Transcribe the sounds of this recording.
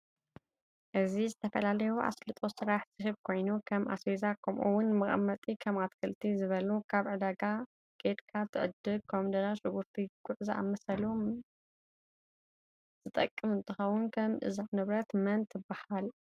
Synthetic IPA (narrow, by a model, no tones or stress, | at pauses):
ʔɨzizɨt̪ʰɐfɐlalɐjuʔa̰slɨt̪ʼo̞sɨɾaħtʰɨhɨβ̚kʰo̞jnukʰɐmʔa̰sezakʰɐmʔuwʊnmɐχʼɐmːɐt̪ʼikʰɐmat̪kʰɐlt̪ʰizɨβɐlukʰaβʕɨd̪aɡa | ɡ̥ʼed̪kʰat̪ʰɨʕɨd̪ɨlkʰomd̪ɐzaʃɨɡuɾt̪ʰiɡʊʕzaʔa̰mɐsɐlu | z̥ɨt̪ʼɐkʼːɨmɨnt̪ʰɨxɐwʊnkʰɐmʔɨ̰zanɨβɾɐt̪mɐnt̪ʰːɨbːahal